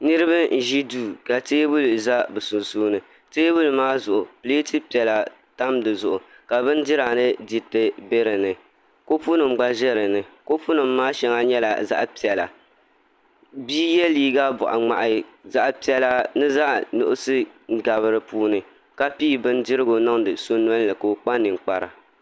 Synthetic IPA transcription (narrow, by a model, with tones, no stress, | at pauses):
nɨ˦ɾɨ˦ba˦n̩˨ʒi˦duː˦ka˨teː˦bu˦lza˦bɨ˨su˨nsuː˦nɨ˨ | teː˦bu˦lmaː˦zʊ˨ʔʊ˨pɨ˨leː˦ti˦pi˨ɛ˨la˨ | ta˦mdɨ˨zʊ˨ʔʊ˨ | ka˨bɨ˦n˦dɪ˦ɾaː˨nɨ˦di˨tɨ˦be˦ɾɨ˨nɨ˨ | ko˦pu˦nɨ˨mɡ͡ba˦ʒɛ˦ɾɨ˨nɨ˨ko˦fu˦nɨ˨mːaː˦ʃɛ˦ŋa˦ɲɛ˦la̰˨za̰˦ʔpi˨ɛ˨la̰˨ | biː˦jɛ˦liː˦ɡa˦bʊ̰˨ʔa̰˨ŋ͡ma̰˨ʔa˨za˦ʔpi˦ɛ˦la˦nɨ˦za˦ʔnʊ̰˦ʔʊ˦sɨ˦˨ɡa˨βɨ˦ɾɨ˨puː˦nɨ˨ | ka˦piː˦bɨ˦n˦dɪ˦ɾɨ˦ɡo˨nɔ˦ŋdɨ˨so˦n˦ɔ˦n˦lɨ˨ko˨o˨k͡pa˦nɨ˨ŋ˨k͡pa˨ɾa˨